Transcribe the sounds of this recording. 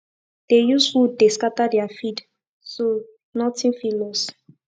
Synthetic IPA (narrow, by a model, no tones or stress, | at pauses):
d̥ejuswudeskatadɛafid | so | nɔtĩnfilɔs